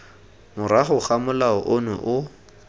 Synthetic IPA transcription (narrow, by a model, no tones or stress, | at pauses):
mʊɾaχʊχamʊlaɔʔʊnʊʔʊ